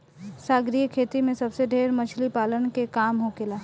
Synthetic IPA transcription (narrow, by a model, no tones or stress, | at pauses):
saːɡɾijəkʰeːt̪imẽsɐbseɖʱeːɾmɐt͡ʃʰlipaːlənkekaːmɦokɪlaː